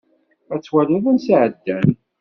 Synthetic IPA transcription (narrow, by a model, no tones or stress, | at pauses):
æt͡sːwæləðænsʕəd̪ːæn